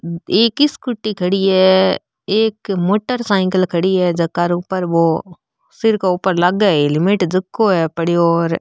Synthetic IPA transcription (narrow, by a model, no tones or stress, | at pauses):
eːkɪskʊʈːikʰɐɽiɦɛɛ | eːkmoːʈːəɾsaːɪ̃ŋkəlkʰɐɽiɦɛːd͡ʒɐkːaɾuːpəɾʋo | sɪɾkauːpəɾlɐɡaelɪmɪʈd͡ʒɐkːoɦɛpɐɽiɔːɾ